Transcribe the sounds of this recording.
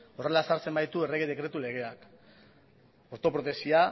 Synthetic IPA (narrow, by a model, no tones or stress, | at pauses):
o̞re̞lasaɾt͡se̞mbajt̪ue̞reɣeðe̞kɾe̞t̪ule̞ɣ̞e̞ak | o̞ɾt̪o̞pɾo̞t̪e̞sia